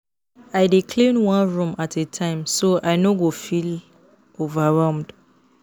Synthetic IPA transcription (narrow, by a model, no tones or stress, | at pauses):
aɪdikʰlĩnwãnɹũmatʰetʰãɪ̃msoʔaɪnoɡofil | ovaɹɛ̃ʊ̃md